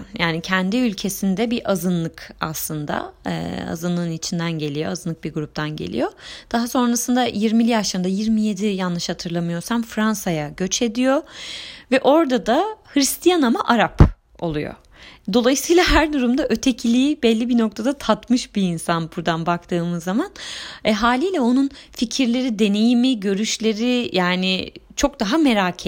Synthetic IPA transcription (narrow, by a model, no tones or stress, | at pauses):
njaːnicʰɛnd̪iylʲcʰe̞sind̪ɛbiʔazɯnlˠɯka̰slˠɯnd̪a̰ɛ̰a̰zɯnlˠɯɯnit͡ʃʰind̪ænɟe̞lʲijoazɯnɯk̚biɾɡuɾup̚t̪ʰanɟḛlʲḭjo̞d̪̥aɦaso̞nɾasɯnd̪ajiɾmilʲijaʃlˠaɾɯnd̪ajiɾmije̞d̪ijanːɯʃhat̪ʰɯɾlˠamɯjo̞samfɾansajaɟøt͡ʃʰe̞d̪ijovɛʔo̞ɾd̪ad̪ahɾist̪ʰijanamaʔaɾap | o̞lˠujo̰ | d̪o̞lˠajɯsɯjːlˠaɦæɾd̪uɾumd̪aʔø̞t̪ʰe̞cʰilʲijibɛlʲːibino̞k̚t̪ʰad̪at̪ʰat̪mɯʃbiinsanbuɾd̪anbakt̪ʰɯːmɯzːamanɛɦaːlʲiːlʲɛo̞nunficʰiɾlʲe̞ɾid̪e̞ne̞jimiɟø̞ɾyʃlʲe̞ɾijaːnɪt͡ʃʰo̞k̚d̪aɦame̞ɾacʰ